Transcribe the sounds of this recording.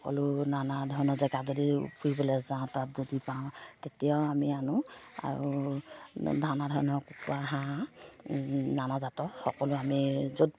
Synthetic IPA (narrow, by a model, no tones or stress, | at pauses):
ɔkɔ̰lʊnanadʱɔɹnɔzɛɡazodiṵpʰuɹibɔlɛzãtat̚zodipãʊ̃tetijaʊamianʊa̰ɹṵ | dʱanadʱɔnɔkukuaɦã | nanazatɔxɔ̰kɔlʊamizod